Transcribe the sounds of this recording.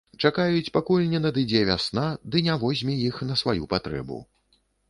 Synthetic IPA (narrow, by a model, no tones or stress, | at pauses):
t͡ʂakajut͡sʲpakulʲnʲɛnɐd̪ɨd͡zʲɛvʲasnad̪ɨnʲavɔzʲmʲijixnɐsvajupat̪ɾɛ̰bṵ